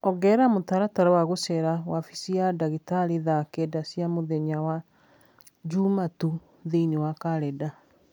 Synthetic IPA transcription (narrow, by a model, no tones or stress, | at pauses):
ɔɣɛːɾamotaɾataɾawaɣosɛɾawafisiadaɣitaɾiðakɛdasjamoðɛɲawa | d͡ʒumatu | ðeinewakaɾɛda